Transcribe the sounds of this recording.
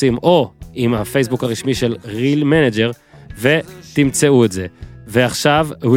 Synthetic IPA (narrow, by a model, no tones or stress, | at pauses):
imʔo̞imhafejs̬bukaʁiʃmiʃelʁilmened͡ʒe̞ʁvet̪imt͡seuetze̞veaχʃavh